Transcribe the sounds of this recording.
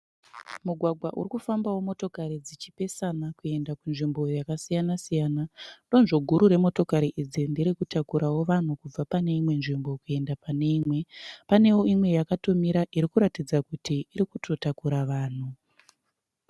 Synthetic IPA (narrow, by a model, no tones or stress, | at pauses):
muɡʱwaɡʱwaʔṵrikufambawo̞mo̞to̞kaɾid͡zit͡ʃipe̞sanakue̞ndakunʐimbo̞jakasijanasijaːnando̞nʐo̞ɡʱuɾuɾe̞mo̞to̞kaɾiʔid͡zindiɾikutakuɾawo̞ʋan̤ukub͡vapane̞imwe̞nʐimbo̞kue̞ndapane̞imwe̞pane̞wo̞imwe̞jakatomiɾaʔiɾikuɾatid͡zakutiːɾikutʰo̞takuɾaʋaːn̤u